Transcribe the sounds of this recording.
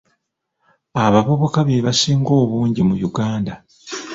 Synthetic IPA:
aβaβo̞βo̞kaβeβasiːŋɡo̞ːβuːɲɟimujuɡaːnda

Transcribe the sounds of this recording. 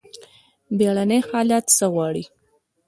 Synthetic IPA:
beɽanejxɑljɑt̪səɣwɑɽi

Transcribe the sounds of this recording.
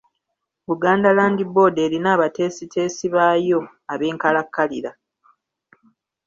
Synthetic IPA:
βuɡaːndalaːndibo̞ːde̞ːɾinaːβate̞ːsitʰe̞ːsiβaːjo̞ | aβe̞ːŋkalakːaliɾa

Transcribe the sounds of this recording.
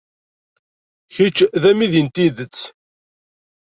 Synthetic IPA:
çit͡ʃːðæmiðint̪iðət͡sː

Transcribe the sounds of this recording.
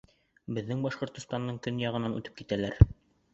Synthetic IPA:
bɘ̆ðːɘŋbɑʃqŏɾt̪ŏst̪ɑnːɤɴkɵnjɑʁɤ̆nɑnʉ̰t̪ɘ̥p̚kit̪ælæɾ

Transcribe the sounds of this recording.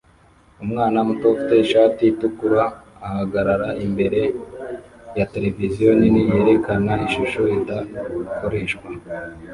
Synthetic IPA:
umŋaːnamuto̞fi̥te̞iʃaːtiitukuɾaːhaɡaɾaɾaimbe̞ɾe̞ | jate̞le̞vizijo̞ninije̞ːɾe̞kanaiʃuʃoitakoɾeːʃkwa

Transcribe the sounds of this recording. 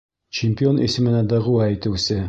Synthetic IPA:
t͡ɕɪmʲpʲio̞nʔḭsɘ̆mɘ̆næd̪ɤ̆ʁuæjt̪ɘ̆wsɘ

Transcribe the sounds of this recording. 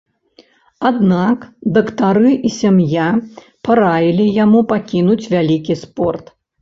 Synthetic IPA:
ad̪nakd̪ɐkt̪aɾɨʔisʲamja | paɾajilʲijamupakʲinut͡sʲvʲalʲikʲispɔrt̪

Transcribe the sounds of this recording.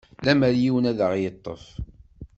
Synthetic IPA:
læməɾjiwənæðəʁjət̪ˤːəf

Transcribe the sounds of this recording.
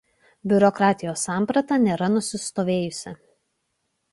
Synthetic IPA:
bʲʊɾɔkɾɑːt̪ʲɪjoːsːɑːˑmpɾɐt̪ɑnʲeːɾɐnʊsʲɪst̪oːʋʲeːjʊsʲɪ

